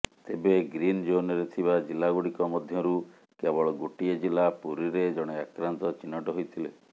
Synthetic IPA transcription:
t̪ebeɡɾind͡ʒonɔɾet̪ʰibad͡ʒilaɡoɽikɔmɔd̪ʱjɔɾu | kebɔɭɔɡoʈied͡ʒilapuɾiɾed͡ʒɔɽ̃eakɾant̪ɔt͡ʃinːɔʈɔɦojt̪ʰile

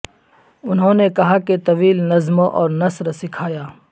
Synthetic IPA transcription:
ʊnɦõːnekɐɦaket̪ɐʋiːlnɐzmoʔɔːɾnɐsɾsɪkʰaːjaː

